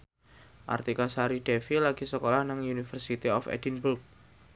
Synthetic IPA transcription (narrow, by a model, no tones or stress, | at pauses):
ʔa̰rt̪ikasaɾiɖ̥efilaɡ̥isəkolahnaŋunifərsit̪iɔfɛ̰dinburk̚